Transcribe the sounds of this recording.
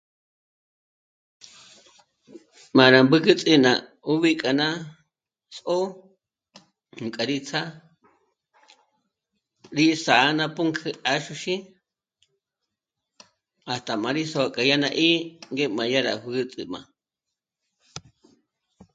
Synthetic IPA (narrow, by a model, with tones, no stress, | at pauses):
mã˨ɾa˨mbɨ˦kɨ˦t͡sʼi˧nã̰˨ | u˦βi˦kʼa˨nã˦ | sʔo˦ | hu˨kʼa˨ɾi˦t͡sʰa˦ | ɾi˦sa˨˦nã˧pu˦ŋkʰɨ˧a˧ʃu˧ʃi˦ | a˨st̪a˨mã˨ɾi˦so˧a˧kʼa˨ja˦nã˧ʔi˦ŋɡe˦mã˨ja˦ɾa̰˨hu˧ɣɨ˦t͡sʼḭ˧mã̰˨